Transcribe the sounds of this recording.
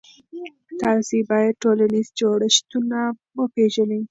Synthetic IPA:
t̪ɑsibɑjad̪̚ʈolanizd͡ʒoɽəʃt̪unawəpeʒəni

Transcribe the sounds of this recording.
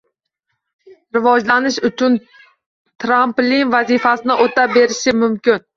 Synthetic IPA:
ɾɪvɒd͡ʒlanɪʃʊt͡ʃʰʊn | t̪ʰɾamplinvazifasɪnɪʔot̪ʰabe̞ɾɪʃɪmʊmkʲɪn

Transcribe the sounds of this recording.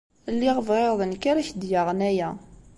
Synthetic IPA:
lːiʁəvʁeðˤənkaɾæçd̪jaʁnæjæ

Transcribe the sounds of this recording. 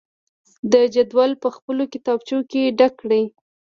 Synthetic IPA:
d̪əd͡ʒad̪wɑlpəxpəlokɪt̪ɑbt͡ʃokeɖakːɽij

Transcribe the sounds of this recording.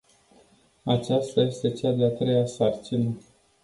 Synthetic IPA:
at͡ʃast̪aje̞st̪e̞t͡ʃad̪eat̪ɾe̞jasart͡ʃinə

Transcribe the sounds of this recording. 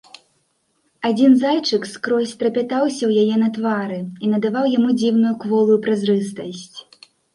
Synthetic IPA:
ad͡zʲinzajt͡ʂɨkskɾɔsʲt̪ɾɐpʲat̪awsʲɐwjajɛnɐt̪vaɾɨinɐd̪avawjamud͡zʲiwnujukvɔlˠujupɾazrɨst̪ɐsʲt͡sʲ

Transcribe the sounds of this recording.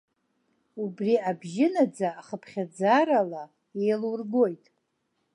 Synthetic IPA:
ubriabʒɪnad͡zaːχəpʰχʲad͡zaɾala | e̞jlwrɡo̞jtʼ

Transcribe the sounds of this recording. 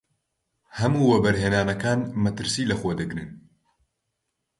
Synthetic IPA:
hɐmuːwɛbɛɾɦeːnaːnɐkaːnmɐt̪ɨɾsiːlɐxoːd̪ɨɡɾɨn

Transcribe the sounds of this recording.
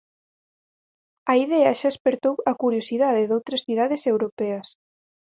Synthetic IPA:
ɐiðeaʃaspeɾt̪owɐkuɾjosiðaðeðowt̪ɾɐsθiðaðesewɾopɛɐs

